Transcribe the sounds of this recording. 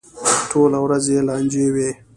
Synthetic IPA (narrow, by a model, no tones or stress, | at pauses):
tʰoːlawɾazeːlaːnd͡ʒeːweː